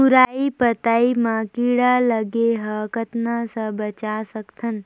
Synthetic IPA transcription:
uɾaipət̪aimãkiɽaləɡeɦəkət̪nasəbət͡ʃasəkt̪ʰən

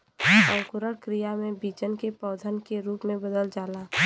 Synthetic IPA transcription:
ə̃ŋkʊɾəɽkɾijamẽbiːt͡ʃənkepɔːd̪ʱənkeɾuːpmẽbəd̪əld͡ʒaːlaː

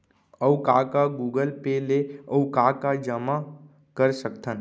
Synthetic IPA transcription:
əwkakaɡuːɡəlpeleəwkaːkad͡ʒəma | kəɾsəkt̪ən

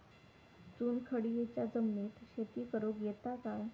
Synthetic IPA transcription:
t͡suːnkʰəɽijet͡ɕjad͡zəmniːt̪ɕet̪iːkəɾoɡjet̪aka

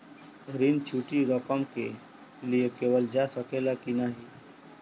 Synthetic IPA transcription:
ɾint͡ʃʰuːʈiɾəkəmke | lijekeːʋəld͡ʒasəkelakinaɦi

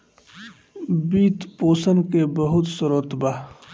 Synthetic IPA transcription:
biːt̪poːsənkebəɦʊt̪səɾoːt̪baː

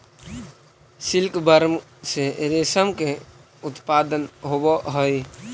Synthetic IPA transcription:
sɪlkbəɾmseɾesəmke | ʊt̪paːd̪ənɦoboɦəj

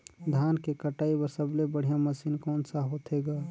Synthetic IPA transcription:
d̪ʱaːnkekəʈaːibəɾsəblebəɽ̤ijaməsiːnkɔːnsaɦot̪ʰeɡaː

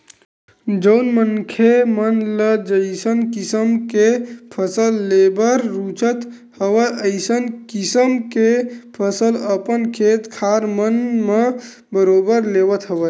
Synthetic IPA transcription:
d͡ʒəʊnmənkʰemənləd͡ʒəɪsənkisəmkepʰəsəlːebəɾːut͡ʃət̪ | həʋəʔəɪsənkisəmkepʰəsələpənkʰet̪kʰaɾmənme | bəɾobəɾlebət̪ɦəʋə

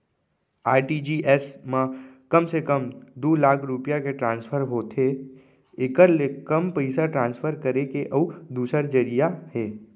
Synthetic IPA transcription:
aːʈid͡ʒiʔɛsmãkəmsekəmd̪uːlaːkʰɾʊpijakeʈɾãːnspʰəɾɦoːt̪ʰe | ɪkəɾlekəmpəɪsaʈɾãːnspʰəɾkəɾekeʔəːd̪uːsəɾd͡ʒəɾijahɛː

